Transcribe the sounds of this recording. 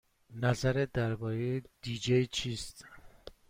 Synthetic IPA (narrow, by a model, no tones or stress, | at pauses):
næzæɾed̪æɾbɒːɾejed̪̥iːd͡ʒejt͡ʃʰiːst̪